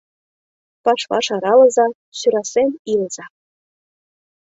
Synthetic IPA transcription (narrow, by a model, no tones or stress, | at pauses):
pɑʃβɑ̰ʃɑɾɑlɤ̆zɑ | syɾɑsenilz̥ɑ